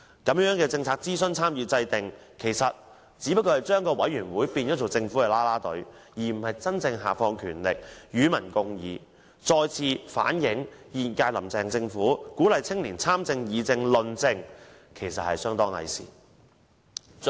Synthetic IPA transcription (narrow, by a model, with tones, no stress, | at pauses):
kɐ˨˥mjœː˨˥ŋkɛː˧t͡sɪ˧ŋt͡sʰaː˧k̚t͡siː˥sɵ˥nt͡sʰaː˥mjiː˨˧t͡sɐ˧jt̪ɪ˨ŋ | kʰe˨˩jsɐ˨t̚ | t͡siː˨˧˥pɐ˥t̚kːɔː˧hɐ˨jt͡ʃœː˥ŋkɔː˧wɐ̰˨˥jɥyː˨˩nwuː˨˥jpiː˧njɔ˨˥tt͡sʰo˨˩t͡sɪ˧ŋfuː˨˥kɛ˧laː˥laː˥t̪ɵ̰˨˥ɥjiː˨˩m̩˨˩hɐ˨jt͡sɐ˥nt͡sɪ˧ŋɦa̰ː˨˩fɔː˧ŋkʰyː˨˩nlɪ˨k̚jyː˨˥mɐ˨˩nkʊ˧ŋjiː˨˧ | t͡ʃɔː˧jt͡sʰiː˧fa̰ː˨˥njɪ˨˥ŋjiː˨˩nkaː˧jlɐ̰˨˩mt͡sɛː˨ŋt͡sɪ˧ŋfuː˨˥kuː˨˥lɐ˨jt͡sʰɪ˥ŋliː˨˩nt͡sʰaː˥mt͡sɪ˧ŋjiː˨t͡sɪ˧ŋlɵ˨nt͡sɪ˧ŋ | kʰe˨˩jsɐ˨t̚hɐ˨jsœː˥ŋt̪ɔː˥ŋhɐ̰˨˩jsḭː˨˩